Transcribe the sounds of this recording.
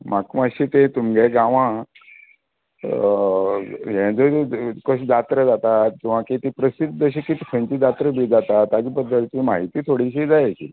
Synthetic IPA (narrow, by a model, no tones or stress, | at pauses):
makməɕit̪et̪umɡɛɡaʋã | jɛ̃d͡zokəɕd̪at̪ɾəd͡zat̪aːuʋ̤ãkit̪iːpɾəsid̪̚d͡zəɕ̬ikit̪iːkʰə̃nt͡ɕiːd̪at̪ɾəbʱid͡zat̪at̪ad͡ʑiːpəd̪ʱːəɾt̪imaɦit̪iːt̪ʰoɽiɕiːd͡zajat͡ɕḭ